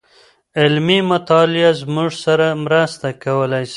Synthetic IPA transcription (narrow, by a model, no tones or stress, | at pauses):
ɪlmimʊt̪ɑlɪazmuʐsaɾamɾast̪akawəlajs